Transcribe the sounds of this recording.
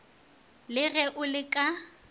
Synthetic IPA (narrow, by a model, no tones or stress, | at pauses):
lɪɣɛʔʊlɪkʼa